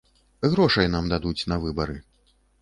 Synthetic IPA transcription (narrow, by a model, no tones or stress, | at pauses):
ɣɾɔʂɐjnamd̪ad̪ut͡sʲnɐvɨbɐɾɨ